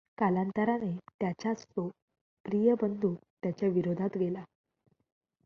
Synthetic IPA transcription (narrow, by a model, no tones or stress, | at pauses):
kalant̪əɾanet̪jat͡ɕast̪o | pɾijəbənd̪ʱuːt̪jat͡ɕjaʋiɾod̪ʱat̪ɡʱela